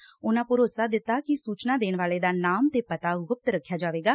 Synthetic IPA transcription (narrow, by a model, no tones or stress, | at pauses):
ʊnãːpʊɾoːsaːd̪ɪt̪ːaːkɪsuːt͡ʃnaːd̪eːnʋaːleːd̪aːnaːmt̪eːpət̪aːɦʊp̚t̪ɾəkʰːjaːd͡ʒaːʋeːɡaː